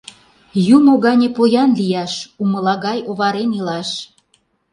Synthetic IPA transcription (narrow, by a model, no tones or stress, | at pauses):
jumoɣɑnʲepojɑnlijɑʃumə̆lɑɣɑjoβɑɾenilɑʃ